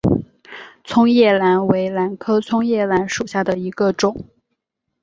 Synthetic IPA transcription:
t͡sʰʊ˥ŋjɛ˥˩la˧˥nwe˧˥ɪla˧˥nkʰɤ˥t͡sʰʊ˥ŋjɛ˥˩la˧˥nʂu˨˩ɕja˥˩d̪ə˩i˧˥ɡə˧ʈ͡ʂʊ˨˩˦ŋ

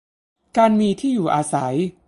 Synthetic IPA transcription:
kaː˧nmiː˧t̪ʰiː˥˩juː˨˩ʔaː˧sa˩˦j

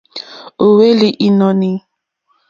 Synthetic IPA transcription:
o˨we˦li˨ʔi˦nɔ˨ni˨

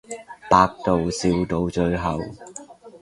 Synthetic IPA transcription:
paː˧k̚t̪o˨wsiː˨˧wt̪o˨˧wt͡ʃɵ˧ɥɦɐ˨w

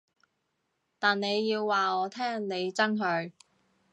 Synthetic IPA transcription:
t̪aː˨nne˨˧jːiː˧wːaː˨ɔː˨˧t̪ʰɛː˥ŋne˨˧jt͡sɐ˥nɦɵ˧ɥ

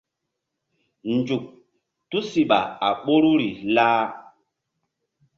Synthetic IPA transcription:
n˨d͡ʒu˨k̚ | tu˦si˨ɓa˨a˨ɓo˦ɾu˦ɾi˨laː˦

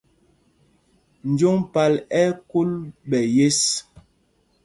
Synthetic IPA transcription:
n̩˨˦d͡ʒo˦ŋpa˨lɛ˦ku˦lɓɛ˨je˦s

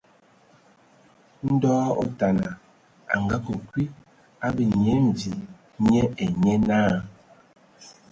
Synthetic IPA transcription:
n̩˦dɔː˦o̰˨ta˨na˨ | a̰˨ŋɡa˦ko˨kwi˦ | a˦bə˨ɲe˦m̩˨d͡zi˨ | ɲɛ˦e˨ɲe˦naː˦

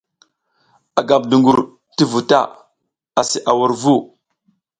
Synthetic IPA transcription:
a˨ɡa˨b̚du˨ŋɡu˨ɾ | ti˦vu˨ta̰˦˨ | a˨si˨ʔa˨wu˦ɾvu˦˨

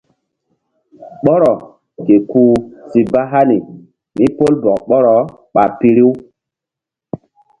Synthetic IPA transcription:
ɓɔ˦ɾɔ˨ | ke˨kuː˦si˨ba˦ɦa˦ni˨ | mi˦po˦lbɔ˨ɓɔ˦ɾɔ˨˦ | ɓa˨pi˦ɾi˦w

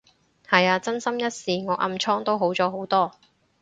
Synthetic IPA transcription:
hɐ˨jaː˧t͡sɐ˥nsɐ˥mjɐ˥t̚siː˨˧ŋɔː˨˧ʔɐ̰˧mt͡ʃʰɔː˥ŋt̪o˥wɦo˨˥wt͡sɔː˨˥ɦo˨˥wt̪ɔː˥

